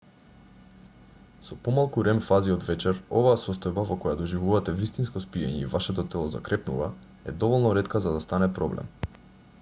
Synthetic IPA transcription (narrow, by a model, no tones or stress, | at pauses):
sɔpɔmalˠkuɾɛmfaziɔd̪vɛt͡ʃɛɾɔvaːsɔst̪ɔjbavɔkɔjad̪ɔʒivuvat̪ɛvist̪inskɔspiɛ̰ɲɛivaʃɛt̪̬ɔt̪ɛlˠɔza̰kɾɛpnṵva | ɛd̪ɔvɔlˠnɔɾɛt̪kazad̪ast̪anɛpɾɔblɛ̰m